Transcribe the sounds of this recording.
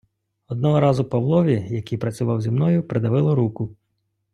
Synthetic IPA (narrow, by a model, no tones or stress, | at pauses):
ɔd̪̚nɔɦɔɾɑzʊpɐʋlˠɔʋʲijɐkijpɾɐt͡sʲʊʋɑwzʲimnɔjʊpɾed̪ɐʋɪlˠɪɾukʊ